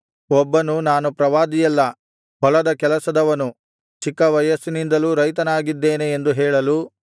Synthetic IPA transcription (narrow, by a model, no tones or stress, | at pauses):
ɔbːɐnunaːnupɾɐʋaːd̪ijɛlːɐ | ɦɔlɐd̪ɐkɛlɐsɐd̪ɐʋɐnu | t͡ʃikːɐʋɐjɐsinind̪ɐluːɾɐjt̪ɐnaːɡid̪ːeːneend̪uɦɛːɭɐlu